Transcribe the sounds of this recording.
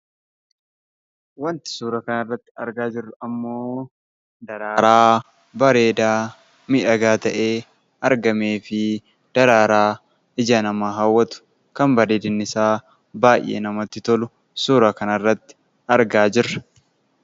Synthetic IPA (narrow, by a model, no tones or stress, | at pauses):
wɐnt̪ɪ̥suːɾɐkɐnɐrːɐt̪ːɪ̥ɐɾɡaːd͡ʒɪrːʊɐmːoː | d̪ɐɾaːɾaː | bɐɾe̞ːd̪aː | mɪᶑɐɡaːt̪ɐʔe̞ː | ɐɾɡɐme̞ːfɪ | d̪̥ɐɾaːɾaː | ɪd͡ʒɐnɐmaːɦaːwːɐt̪ʊ̥ | kɐmbɐɾeːd̪ɪnːɪsaː | baːjʔːḛːnɐmɐt̪ːɪt̪ɔlʊ | suːɾakɐnɐrːɐt̪ːɪ̥ | ɐɾɡaːd͡ʒɪrːɐ̥